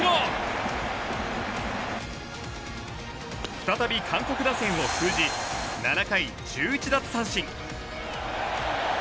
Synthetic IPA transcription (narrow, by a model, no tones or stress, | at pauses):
o | ɸɯ̟̥t̪at̪abʲikʰãŋko̞kɯ̟d̪asẽɰ̃o̞kɯ̟ːʑinanakai | d͡ʑɨːit͡ɕid̪at͡sɨ̥sãɰ̃ɕĩŋ